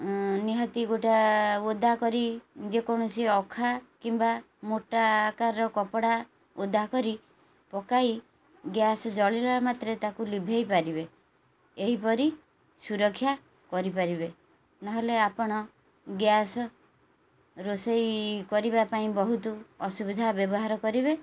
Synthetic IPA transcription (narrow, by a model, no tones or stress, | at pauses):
niɦɔt̪iɡoʈaod̪ʱakɔɾid͡ʒekɔɽ̃ɔsiɔkʰakimba | moʈakaɾɾɔkɔpɔɽa | od̪ʱːakɔɾi | pɔkaj | ɡjasɔd͡ʒɔɭelamat̪ɾet̪akulibʱejpaɾibe | eɦipɔɾi | suɾɔkʰːja | kɔɾipaɾibe | nɔɦeleapɔɽ̃ɔ | ɡjasɔ | ɾosejkɔɾibapaĩbɔɦut̪uɔsubid̪ʱabjɔbɔɦaɾɔkɔɾibe